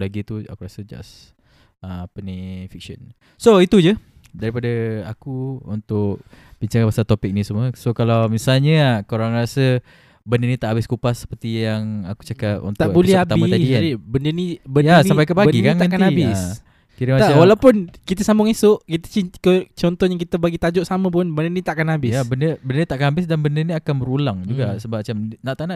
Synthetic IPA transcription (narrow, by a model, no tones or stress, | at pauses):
laɡit̪ua̰kuɾasəd͡ʒa̰s | əpənifik̚ʃə̰n | soit̪ud͡ʒə | daɾipadaakuṵnt̪ʊkb̥iɲt͡ʃaŋapasalt̪opɪk̚nĩsəmuəsokalawmisalɲəkaoɾaŋrasə | bəndənit̪aʔabɪskupasə̥pərt̪ijaŋaku̥t͡ʃakap̚ṵnt̪aʔbulɛhhab̪aɪəasdiadibəndənibənjasammpajkəpabɡikank̪ãnkanhabɪs | kiɾəmat̪awalawpʊnkit̪əsambʊŋisʊʔkit̪ə̥t͡ʃikət͡ʃɔnt̪ɔjaŋkit̪əbaɡit̪ad͡ʒɔʔsaməp̬ʊnbənənit̪aʔakanɦabɪjsabəndəbəndənit̪aʔakanɦabɪsdanbəndəniakanbəɾulaŋd͡ʒuɡasəbamat͡ʃamnaʔt̪aʔnaʔ